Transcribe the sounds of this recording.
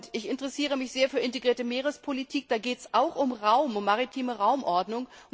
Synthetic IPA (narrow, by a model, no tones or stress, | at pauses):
tɪçɪntəʁɛsiːʁ̞əmɪçz̥eːɐfyːɐɪnteɡʁiːɐtəmeːʁ̞əspʰolitʰiːk̚d̥aːɡeːtɛsʔaʊxʔʊmʁaʊmʊmːaʁitʰiːməʁaʊmʔɔɐdnʊŋ